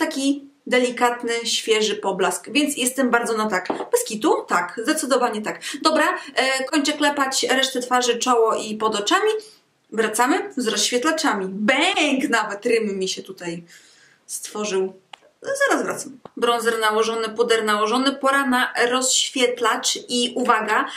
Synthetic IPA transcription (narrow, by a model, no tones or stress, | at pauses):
t̪akʲi | d̪ɛlʲikat̪nɘɕfʲjɛʐɘpɔblaskvʲjɛnt̪sjɛst̪ɛmbaɾd̪zɔnat̪akbɛskʲit̪ut̪akzd̪ɛt̪sɘd̪ɔvaɲɛt̪akd̪ɔbɾakɔɲt͡ʂɛklɛpat͡ɕɾɛʂt̪ɛt̪faʐɘt͡ʂɔwɔʔipɔd̪ɔt͡ʂamʲi | vɾat̪samɘzɾɔsɕfʲɛt̪lat͡ʂamʲibɛŋknavɛt̪ɾɘmːʲiɕɛt̪ut̪aj | st̪fɔʐɘw | zaɾazvɾa̰t̪sambɾɔnzɛɾnawɔʐɔnɘpud̪ɛɾnawɔʐɔnɘpɔɾanaɾɔsɕfʲjɛt̪lat͡ʂiʔuvaɡa